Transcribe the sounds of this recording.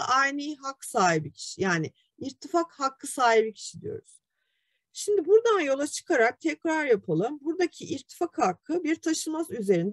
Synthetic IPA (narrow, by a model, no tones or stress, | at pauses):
ʔajnijɦakːsaːɦibicʰi̥ʃijaːnɪ | iɾt̪ʰːifakhakːɯsaːɦibicʰi̥ʃid̪ḭjo̞̰ɾuz̥ | ʃimd̪ibuɾd̪anjo̞lˠat͡ʃʰɯ̥kʰaɾak̚t̪ʰɛcɾaɾjapʰalˠɯmbuɾd̪acʰiʔiɾt̪ʰːi̥fakhakʰːɯbiɾt̪ʰaʃɯlˠmazyze̞ɾind̪